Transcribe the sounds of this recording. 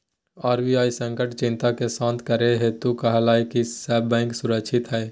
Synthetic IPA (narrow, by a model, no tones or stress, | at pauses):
aːɾbiːaːisə̃ŋkəʈt͡ʃɪ̃nt̪akesãːnt̪ʰkəɾeɦet̪ukəɦlaːikisɛːbɛ̃ːŋksʊɾəkʃʰɪt̪ɦɛː